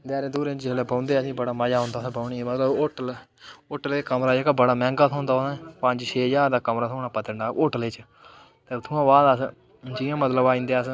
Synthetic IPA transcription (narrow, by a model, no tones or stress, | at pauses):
d̪ɛːɾẽːd̪uːɾẽd͡ʒd͡ʒeleːbə̃ːnd̪eːsĩːbəɽaːməjaːɦõːnd̪aːsbəːɳiːmət̪ləboːʈəl | oːʈəleːkəmɾaːd͡ʒekabəɽaːmɛ̃ːŋɡaːt̪ʰõːnd̪aːosãpəɲd͡ʒʃʰeːzaːɾd̪aːkəmɾaːt̪ʰoːɳaːpət̪əɳɖaːoːʈəleːt͡ʃ | t̪eːt̪ʰuːãːʋaːd̪as | d͡ʒɪːãːmət̪ləbaːĩːnd̪eːəs